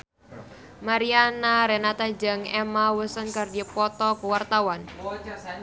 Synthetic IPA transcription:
maɾianaɾɛnat̪ad͡ʒaŋɛmawəsənkərdipɔt̪ɔkəwart̪awan

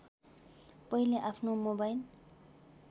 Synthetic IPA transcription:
pʌileʔapʰnomobajl

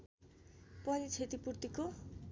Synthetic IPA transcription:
pʌnit͡sʰet̪ipurt̪iko

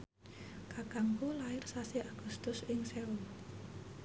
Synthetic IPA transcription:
kakaŋkulaɪrsaseʔaɡ̥ṳst̪ʊsɪŋsɛu

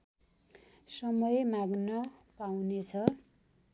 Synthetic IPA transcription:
sʌmʌjemaɡnʌpawnet͡sʰʌ

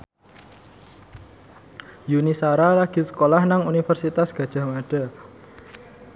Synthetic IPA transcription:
junisaɾalaɡ̥i̤sə̥kolahnaŋunifərsit̪asɡ̥ä̤d̥ʒ̥a̤maɖ̥a̤

